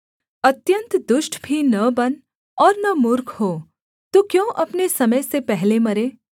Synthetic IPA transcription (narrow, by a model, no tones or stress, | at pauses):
ɐt̪jə̃nt̪d̪ʊʃʈbʱinɐbɐn | ɔːɾnɐmʊɾkʰhoː | t̪okjõːʔɐpnesɐməjsepɛɦlemɐɾeː